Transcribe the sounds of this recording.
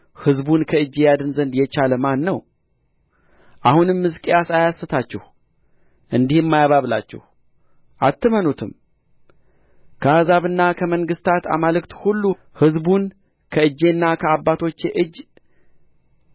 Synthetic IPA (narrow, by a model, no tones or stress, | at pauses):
hɨzbunkʰəɨd͡ʒːejad̪ɨnzənd̪jɛt͡ʃaləmanːəw | ʔahunɨmːɨzkʼejasajasːɨt̪ʰat͡ʃːɛh | ʔɨnd̪ihɛmːajaβaβla̰t͡ʃːɛ̰h | ʔat̪ʰːɨmənut̪ʰɨm | kʰəazaβɨnːakʰəməŋɡɨst̪ʰat̪a̰malɨkt̪hulːu | hɨzbun | kʰəɨd͡ʒːe̞nːakʰəabːat̪ʰo̞t͡ʃːeʔɨd͡ʒː